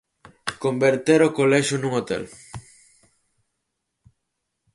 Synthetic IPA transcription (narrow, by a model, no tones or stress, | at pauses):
kombeɾt̪eɾokolɛʃʊnũŋot̪ḛl